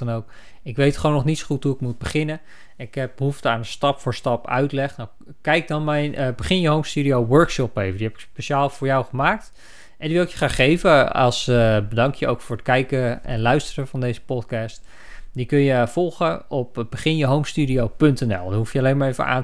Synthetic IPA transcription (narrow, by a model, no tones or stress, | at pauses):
nowk | ɪkʋejtχəʋownːɔχnitsxutɦuɪk̚mut̚bəχɪnə | ɪkɛp̚bəɦuftəaːnəstɑpfʊːɹstɑpœ̰ɥtlɛχnaw | kɛjk̚dɔnmɛjnbəχɪnjəɦowmstyɾiowʋøːɹkʃɔpejvədiɦɛpɪ̥kspeʃaːlˠvʊːɹjawχəmaːk̚t | ʔɛndiʋɪlˠɪkjəχraːxejvəɑ̰lˠsbədɑŋkjəo̰wkfʊːɹətkɛjkəɛ̰nlœɥstərəvɑndejzə̥pɔtkɑːst | dikɵnjəfɔlˠχəɔpbəχɪnjəɦowmstydiowpɵntɛnɛ̰lˠdənɦufjəalejnmaːɹejvə̰ʔa̰ːn